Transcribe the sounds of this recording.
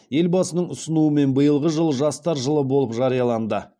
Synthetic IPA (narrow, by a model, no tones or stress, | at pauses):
je̞lbɑsənəɴʊsənuəme̞nbəjəlˠʁəʒəlˠʒɑst̪ɑɾʒəlˠəbo̞lˠəpʒɑɾijɑlˠɑnd̪ə